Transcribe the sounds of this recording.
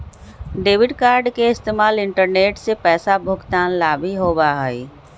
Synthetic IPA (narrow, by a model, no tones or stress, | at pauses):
ɖeːʋɪɖkaːɾɖkeɪst̪eːmaːlɪ̃ɳʈəɾneːʈsepɛːsabʱʊɡt̪aːnlaːbʱiɦoːbaɦəi